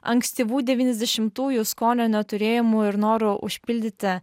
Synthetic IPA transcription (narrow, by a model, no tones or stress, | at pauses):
ɐ̰ŋksʲt̪ʲiʋuːd̪ʲɛʋʲiːnʲɛzd̪ʲɛʃʲɪmt̪uːjuskoːnʲoːnʲɛt̪ʊɾʲeːjɛmuɪɾnoːɾʊʔʊ̰ʃʲpʲɪlʲd̪ʲɪt̪ʲɪ